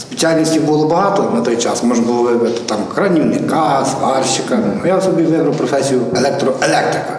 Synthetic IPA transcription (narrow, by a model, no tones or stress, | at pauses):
spʲe̥sʲialʲnʲisʲtʲibulˠɔbɦɑt̪ɔnɐt̪ɔjt͡ʃɑ̰smɔʒnɡɔlˠɔʋɪʋʲɪt̪ɪ̥t̪ɑmkɾɐnʲiwnʲɪkɑst̪ɑrʃʲɪkɐnʊjasɔbʲiʋɪnʊwpɾɔfɛsʲijʊɛlʲˠɛk̚t̪ɾɔɛlʲˠɛk̚t̪ɾɪkɐ